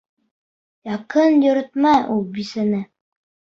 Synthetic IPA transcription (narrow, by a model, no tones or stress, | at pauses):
jɑqɤnjɵ̆ɾɘ̆t̪̚mæʔulˠbisɘ̆nɘ